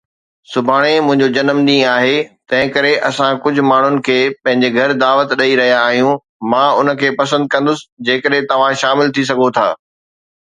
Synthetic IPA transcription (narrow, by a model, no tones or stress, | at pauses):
sʊbʱaːɽ̃emʊ̃ɦɪ̃ɲd͡ʑod͡ʑɐnəmɗĩːaːɦeːt̪ɐ̃ɦɪ̃kɐɾeʔɐsãkʊd͡ʑʱʊ̆maːɳ̤ʊnɪ̆kʰeːpɐ̃ɦɪ̃ɲ̆d͡ʑeɡʱɐɾd̪aːʋət̪ɗɐiɾɐɦijaːɦijũ | mãːʊnə̆kʰeːpɐs̬ə̃nd̪̚kɐ̃nd̪ʊsɪ̥̆d͡ʑeːkəɗɦɪ̃t̪ɐʋ̤ãʃaːmɪlt̪ʰis̬ɐɡʱot̪ʰa̰ː